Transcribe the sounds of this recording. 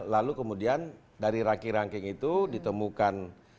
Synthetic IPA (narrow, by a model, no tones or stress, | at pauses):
lalukəmudian | daɾiɾaŋkiɾaŋkɪŋit̪udit̪əmukan